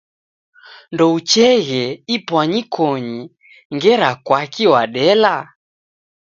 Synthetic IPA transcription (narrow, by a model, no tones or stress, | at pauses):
ndɔut͡ʃɛɣɛipwaɲikʰɔɲi | ŋɡɛɾakwakiwaɗɛla